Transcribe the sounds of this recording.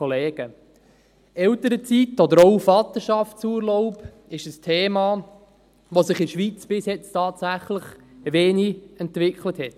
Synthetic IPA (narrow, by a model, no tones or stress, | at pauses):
ɔleːɡ̥ə | ɛltəɾət͡sitɔd̪əɾoʊfɑt̪əʃɑftsuːəɾlɔʊp | ɪʃəstʰeːmɑ | ʋosɪχɪʃʋiːt͡sb̥ɪsjɛt͡stʰɑːtsæχləχʋeːniɛntvɪkχləthɛt